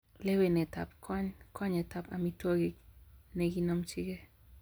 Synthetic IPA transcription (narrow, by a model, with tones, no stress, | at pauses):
le˦we˨nɛ˨ta˨p̚kʰɔ˦ɲkʰɔ˦ɲɛ˨ta˨pa˨mi˦twɔ˦ɡi˦nɛ˨ɡi˦nɔ˦mt͡ʃi˦ɡe˦